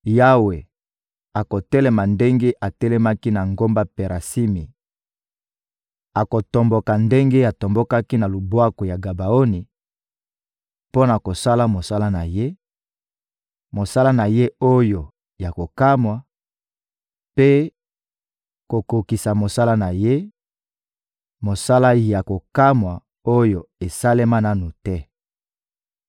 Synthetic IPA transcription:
ja˦we˨ | a˨ko˨tɛ˦lɛ˦ma˨nde˦ŋɡe˦ʔa˨tɛ˦lɛ˦ma˦ki˦na˨ŋɡo˦mba˦pe˨ʁa˨si˦mi˨ | a˨ko˨to˨mbɔ˨ka˨nde˦ŋɡe˦ja˨to˨mbɔ˦ka˦ki˦na˨lu˨bwa˦ko˨ja˨ɡa˨ba˨o˦ni˨ | po˦na˨ko˨sa˦la˦mo˨sa˦la˦na˨je˦ | mo˨sa˦la˦na˨je˦o˦jo˨ | ja˨ko˨ka˦mwa˨ | pe˦ | ko˨ko˨ki˨sa˨mo˨sa˦la˦na˨je˦ | mo˨sa˦la˦ja˨ko˨ka˦mwa˨ | o˦jo˨e˨sa˦le˦ma˦na˦nu˨tɛ˦

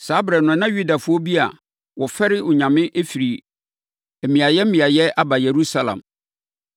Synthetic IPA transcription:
saː˨˦bɾɛ˨nʊ̃˨˦nã˦ju˦da˨fʊ˦ɔ˦bi˦a̰˨ | wɔ˨fɛ˦ɾɪ˦ʊ˨ɲã˨mɪ̃˦ʔe˦fi˨ɾi˨ | e˨mĩ˨a˨jɛ˦m̩˦mĩ˨a˨jɛ˦a˦ba˨je˨ɾu˦sa˦lã̰˨m

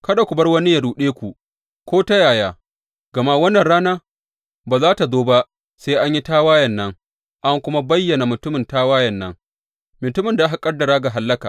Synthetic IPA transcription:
kɐ˦da˨kʷʊ˨bɐ˦rwɐ˦ni˦ja˨ɽuː˨ɗeː˦kʷu˨ | kʷoː˦ta˦jaː˨jaː˦ | ɡ̥ɐ˨ma˦wɐ˦nːɐ˨nɽaː˦naː˦ | baː˨zaː˦ta˨zoː˦ba˦ʔ | seː˦ʔa˦ɲji˦taː˦waː˦jɐ˨nːɐ˦ŋ | ʔa˦ŋkʷʊ˦ma˦bɐ˦jːɐ˨na˨mʊ˨tʊ˦mɪ˨ntaː˦waː˦jɐ˨nːɐ˦ŋ | mʊ˨tʊ˦mɪ˨nda˨ʔa˦ɦa˨kʼɐ˦rdɐ˨ɾaː˦ɡa˨ɦa˨lːɐ˦ka̰ː˨

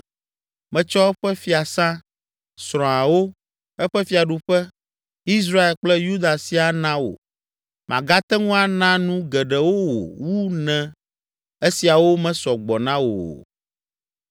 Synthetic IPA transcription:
mɛ̃˨t͡ʃɔ˦ɸɛ˦fi˦a˨sã˦ | sɾɔ̃˨a˨wo˦ | ɛ˦ɸɛ˦fi˦a˨ɖu˦ɸɛ˦ | i˦s̬ɾa˦e˨lk͡plɛ˦ju˦d̪a˨si˦a˨nã˦wo̰˨ | mʔã̰˨ɡa˦t̪ɛ˦ŋũ˦a˨nã˦nũ˦ɡɛ˨ɖɛ˨wo˦wo̰˨wu˦nɛ̃˨ | e˦si˨a˨wo˦mɛ̃˦sɔ˨ɡ͡bɔ˨nã˦wo̰˨

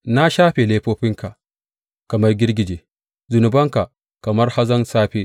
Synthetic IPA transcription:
na˦ʃaː˦ɸe˨leː˦ɸoː˦ɸɪ˦ŋka˨ | kɐ˨mɐ˦rɡʲɪ˦rɡʲɪ˨d͡ʒeː˨ | zʊ˨nʊ˨bɐ˦ŋka˨ | kɐ˨mɐ˦rha˦zɐ˦nsaː˦ɸe˦

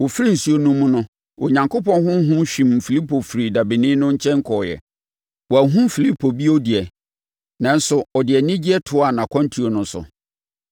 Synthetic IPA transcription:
wo˨fi˦ɾi˦˨n̩˨su˨˦o˨nũ˦mʊ̃˦nʊ̃˦ | o˨ɲã˨ŋkʊ˦pɔ̃˦nɦʊ̃˦ɦʊ̃˦ɕᶣĩ˨m˨fi˨li˦pʰo˨fɾi˨da˨bi˨nɪ̃˦nʊ̃˦ɲ̩˦t͡ɕʰɛ̃˦ŋ̩˦kʰɔː˨jɛ̰˨ | wɔ˨æ˨ɦũ˦mfi˨li˦pʰo˨bi˦o˦dɪ˨ɛ˨ | nã˨n̩˦sʊ˨ɔ˨dɪ˨ɛ˨nɪ̃˦d͡ʑi˦ɛ˦tʰʊ˦a˨nã˨kʰɔ̃˦ntʰi˨o˨nʊ̃˨˦sʊ̰˨

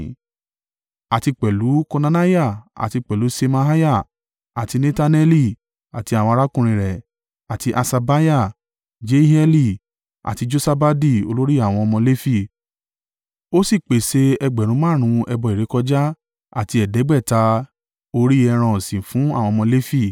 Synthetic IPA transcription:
a˨ti˧k͡pɛ˨lu˨˦ko˧nã˧na˦ja˦˨a̰˨ti˧k͡pɛ˨lu˨˦se˧ma˧ɦa˦ja˦˨ | a˨ti˧ne˧ta˧nɛ˧li˦ | a˨ti˧a˨w̃ɔ̃˧ɾa˦kũ˦˨ɾ̃ĩ˧ɾɛ˨ | a˨ti˧ʔa˧sa˧ba˦ja˦˨ | d͡ʒe˦ɦɛ˧li˧ | a̰˨ti˧d͡ʒo˧sa˧ba˧di˦˨o̰˧lo˦ɾi˦a˦˨w̃ɔ̃˧ɔ˧mɔ̃˧le˦fi˦˨ | o˦si˦˨k͡pe˨se˧˦ɛ˧ɡ͡bɛ˨ɾ̃ũ˨˧mã˦˨ɾ̃ũ˧ɛ˧bɔ˧˨i˨ɾe˨˦kɔ˧d͡ʒa˦ | a̰˨ti˧ɛ˨dɛ˨˦ɡ͡bɛ˦˨ta˧ | o˧ɾi˦ɛ˧ɾ̃ɔ̃˧˨sĩ˨fũ˨˦a˦˨w̃ɔ̃˧mɔ̃˧le˦fi˦˨

